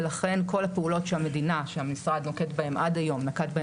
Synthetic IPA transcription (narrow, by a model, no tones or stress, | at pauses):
laχe̞nko̞lhapeulo̞tʃeame̞dinaʃehamisʁadnoke̞tbae̞mʔadajo̞mnakatba